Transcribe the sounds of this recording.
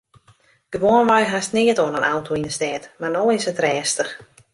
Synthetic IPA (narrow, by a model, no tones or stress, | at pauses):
d̥əʋoənʋajɦasnɪətoənənʔawtʰoinəstɛːtmarnoːɪsətrɛːstəx